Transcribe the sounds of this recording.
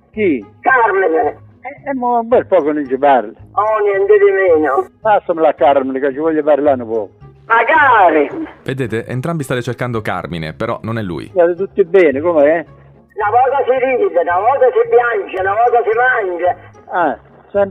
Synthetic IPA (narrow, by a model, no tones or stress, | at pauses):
kikaɾmine | ɛɛmːoambɔɾpɔːkʊnʊnt͡ʃɪpaɾlɪɔnjɛnt̪ɪd̪ɪmeːnʊbast̪amɪlakːaɾmɪnɪkat͡ʃːɪvɔʎːɪfaːɾlanʊpɔːkmaɡaːɾived̪eːt̪eʔḛnt̪ɾambist̪aːt̪ɪt͡ʃerkand̪oka̰rmḭnḛpeɾɔ̰nonɛlːṵːj̰aːt̪ɪt̪ut̪ːɪbːɛːnɪkomɛɛ | navɔːzasɪɾiːmd̪enavɔːt̪asɪpjand͡ʒanavɔːt̪asɪmand͡ʒaɛ | sɛ